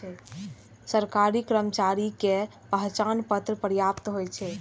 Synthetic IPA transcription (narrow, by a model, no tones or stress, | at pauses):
ɛ | səɾkaɾikɾəmt͡ʃaɾike | pəɦt͡ʃanpət̪ɾəpəɾjapt̪ɦojt͡ʃʰɛ